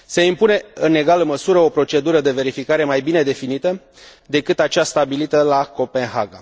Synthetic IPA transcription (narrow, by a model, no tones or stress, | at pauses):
se̞impune̞ɨne̞ɡalɨnməsuɾəo̞pɾo̞t͡ʃe̞d̪uɾəd̪e̞ve̞ɾifikaɾe̞majbine̞d̪e̞finit̪ə | d̪e̞kɨt̪at͡ʃast̪abilit̪əlako̞pe̞nɦa̰ɡa̰